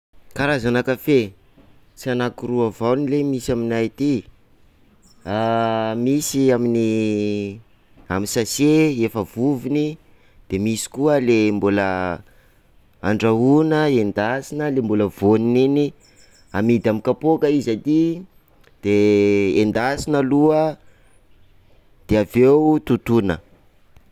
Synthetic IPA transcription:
kaɾazanakafe | sianakuruavawnilemisaminajt̪i | amisiamini | aminsaseefəv̥uvini | d̪̥emisi̥kuəlembulə | a̰ɳɖ͡ʐaunəend̪asinəlembuləvoninini | amid̪amikapokəizat̪i | d̪̥eend̪asinəluə | d̪̥eavewut̪ut̪unə

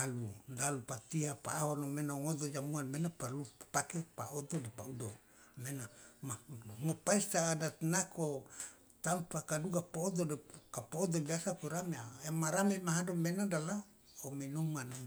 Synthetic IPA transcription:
aludalupat̪iɦapa̰ːɦonomenaŋod̪od͡ʒamuanmenapalupakepa̰od̪odepaudo | menamaudoŋopaist̪aːdat̪nako | t̪ampakaduɡapoːd̪odekapood̪obiasakoɾameaemaɾamemaɦadomenadala | omenumana

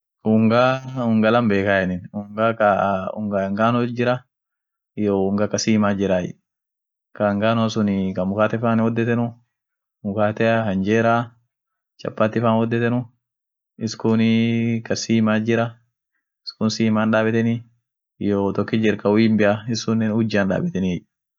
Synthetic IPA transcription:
ʊŋɡaːʊŋɡɐlɐmbeːkajɛnɪnʊŋɡaːkaʊ̰ŋɡaɐŋɡaːnɔd͡ʒɪɾɐ | joʊŋɡakɐsiːmaːd͡ʒɪɾaːjɪ̰ | kɐŋɡaːnɔsʊnɪkɐmʊkaːt̪ɛfaːnwɔd̪ːɛt̪ɛnʊ | mʊkaːt̪ɛhɐnd͡ʒeːɾaː | t͡ʃɐ̰pːaːt̪ːɪfaːnwɔd̪ːɛt̪ɛnʊ | ɪskʊnikɐsiːmaːd͡ʒɪɾɐ | ɪskʊnsiːmaːnᶑaːbɛt̪ɛni | joːt̪ɔkːɪd͡ʒɪɾkɐwiːmbɪʔaɪsʊnɛʊd͡ʒːaːnᶑa̰ːbɛt̪ɛni

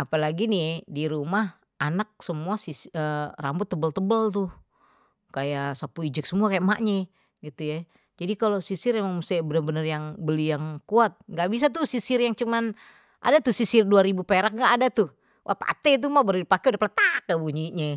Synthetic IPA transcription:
apalaɡinidiɾumah | anak̚səmuasisərambʊt̪ːəbəlt̪əbəlt̪ʊh | kajaʔsapuid͡ʒɪk̚səmuakajaʔmaʔɲɛ | ɡit̪uja | d͡ʒadikalosisɪramaŋmusibənərbənərjaŋbəlijaŋkuat̪̚ŋɡaʔbis̬at̪̬usisɪrjaŋt͡ʃuman | ʔa̰dat̪ʊsisɪrduaɾibupeɾak̚ŋɡaʔːdat̪ʊh | ʔa̰pa̰t̪et̪̬umabəɾidipakeudaplat̪akəbuɲiʔɲɛ

